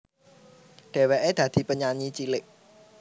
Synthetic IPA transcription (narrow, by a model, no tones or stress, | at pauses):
d̥ɛwɛʔɛdat̪ʰḭpəɲãɲit͡ɕileʔ